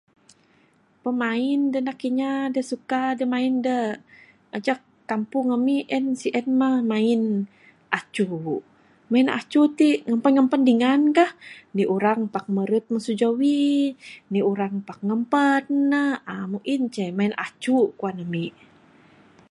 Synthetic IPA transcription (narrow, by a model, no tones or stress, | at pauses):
pəmaindənakiɲadəsukadəmaində | ad͡ʒa | kːampuŋəmiʔɛnsiʔɛnmamain | ʔat͡ʃu | maina̰t͡ʃut̪iŋəmpənŋəmpəndiŋankahniʔuɾaŋpak̚məɾət̪̚məsud͡ʒawi | niuɾaŋpak̚ŋəmpənːəhamuʔint͡ʃɛmainʔa̰t͡ʃukuanəmi